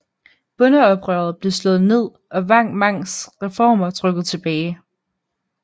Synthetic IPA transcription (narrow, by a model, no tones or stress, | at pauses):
b̥ɔ̽nəɒ̽b̥ʁœɐð̩ˠb̥le̝slɔ̽ːð̞̩ˠne̝ð̰ˠ | ʔɒ̽ʋɑ̈ŋ̰mɑ̈ŋ̰sʁɛfɒ̰ːmɐt͡sʰʁœɡ̥ð̞̩ˠt͡sʰe̝b̥ɛːɪ